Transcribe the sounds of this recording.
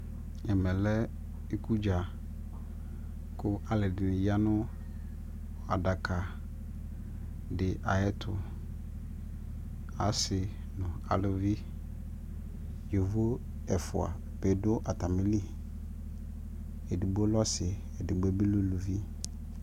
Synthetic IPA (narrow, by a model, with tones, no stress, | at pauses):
ɛ˨mɛ̃˨lɛ˦ | e˦ku˦d͡ʒa˨ | kʊ˦ʔa˨lɪ˨dɪ˨nɪ˨ja˦nʊ̃˦ | a˨da˨kʰa˨ | dɪ˨ʔa˨ɛ˦tʰʊ˨ | a˨sɪ˨ | nʊ̃˨a̰˨lʊ˦vi˦ | jo˨vo˦ | ɛ˨fʊ̰˨a̰˨ | be˨dʊ˦ʔa˨t̪a˨mɪ˦li˦ | ɛ˨di˨ɡ͡bo˦lɔ˦sɪ˨ | ɛ˨dɪ˨ɡ͡be˦bi˦lu˦lu˨vi˦